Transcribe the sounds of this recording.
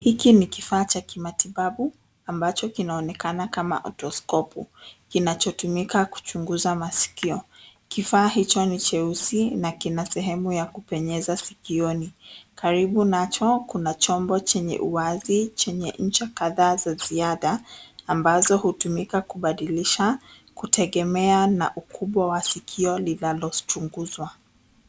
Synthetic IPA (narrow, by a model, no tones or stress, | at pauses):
hikinikifaːt͡ʃakimatiɓaɓu | ambat͡ʃɔkinaɔnɛkanakama̰ʔɔ̰tɔskɔpṵkinat͡ʃɔtumikaku̥t͡ʃuŋɡuzamasi̥kiɔ | kifaːɦit͡ʃɔnit͡ʃɛusinakinasɛɦɛmujakupɛɲɛzasikiɔnikaɾiɓunat͡ʃɔkunat͡ʃɔmbɔt͡ʃɛɲɛ̰ʔuwazit͡ʃɛɲɛɲ̩t͡ʃɛkaðaːzaziaðaːmbazɔhutumikakuɓaɗiliʃa | kutɛɠɛmɛana̰ʔukʰuɓwawasikʰiɔlinalɔt͡ʃuŋɡuzwa